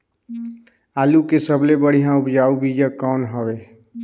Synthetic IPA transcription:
aːlukesəblebəɽ̤ijãupd͡ʒaubid͡ʒəkɔːnɦəbe

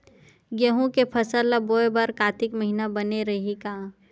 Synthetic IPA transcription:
ɡeɦũkepʰɐsəɾlaboːebɐɾkaːt̪ɪkmɐɦinabɐneɾɐɦikaː

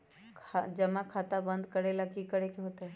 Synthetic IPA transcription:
kʰad͡ʒɐmakʰaːt̪abə̃nd̪kəɾelakikəɽekeɦoːt̪eɦɛ

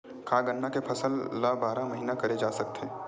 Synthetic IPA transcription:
kʰaːɡənːakepʰɐsəlːabaːɾamɐɦiːnakɐɾed͡ʒaːsɐk̚t̪eː

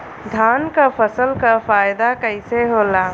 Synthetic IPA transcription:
d̪ʱaːnkapʰəsəlkafaːjd̪akəɪseɦoːla

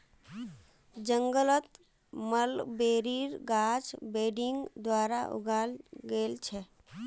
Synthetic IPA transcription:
d͡ʒəŋɡələt̪ | məlbeɾiɾɡad͡ʒbeɖiŋɡd̪waɾaʔṵɡalɡelt͡ʃʰɛ

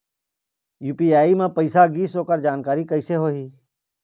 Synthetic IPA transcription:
juːpiaːimẽpəɪsaɡiːsoːkəɾd͡ʒaːnkaːɾikəɪseɦoːɦiː

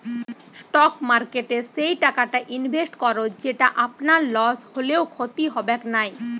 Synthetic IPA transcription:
sʈɔkmaɾkeʈeʃejʈakaʈaʔinbʱesʈkɔɾod͡ʑeʈaʔapnaɾlɔsholeokʰot̪iɦɔbeknaj

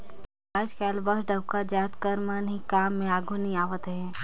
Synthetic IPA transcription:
aːd͡ʒkaːlbɐɦɖəwkad͡ʒaːt̪kəɾmənɦikaːmːẽaːɡʱʊniaːʋət̪ɦɛ̃ː

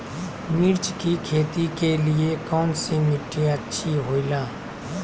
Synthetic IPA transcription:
mɪɾt͡ʃkikʰeːt̪ikelɪekɔːnsemɪʈʰːeətːʃʰiɦoːilaː

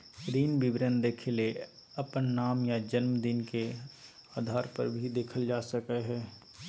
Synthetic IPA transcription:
ɾiːnbɪbɾənd̪eːkʰele | ɐpənːaːmjad͡ʒənmd̪ɪnke | aːd̪ʱaːɾpə̰ɾbʱid̪eːkʰəld͡ʒaːsəkəɦɛː

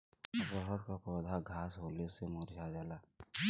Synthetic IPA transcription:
bəɦəɾkapɔːd̪ʱaɡʱaːsɦoːlesemʊɾd͡ʒʱad͡ʒaːlaː

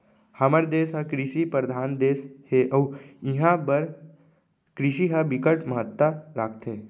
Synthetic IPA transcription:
haməɾd̪eːsɦãkɾiʃipəɾəd̪ʱaːnd̪eːsheʔəuɪɦãbəɾ | kɾiʃiɦabɪkəʈməɦət̪ːaɾaːk̚ʰt̪ɦeː

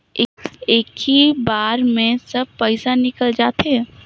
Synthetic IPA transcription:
eːkibaːɾmẽsɐb̚pɛɪsanɪkəld͡ʒaːt̪ɛ

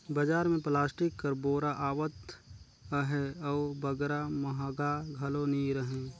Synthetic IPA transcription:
bəd͡ʒaːɾmẽplaːsʈɪkːəɾboːɾaʔaːʋət̪ | ɦɛɔːbɐɡɾamɐɦaːɡaːɡʱɐloniɾəɦẽː

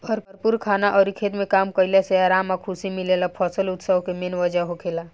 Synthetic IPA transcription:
əɾpəɾpuɾkʰaːnaʔɔːɾikʰeːt̪mẽkaːmkəilaseaːɾaːmakʰusimilelapʰɔːsəlʊt̪səʋkemenʋəd͡ʒaɦokʰela

